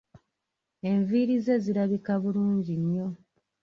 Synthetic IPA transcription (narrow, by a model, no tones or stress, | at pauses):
e̞ɱviɾize̞ziɾaβikaβuluːɲɟiɲːo̞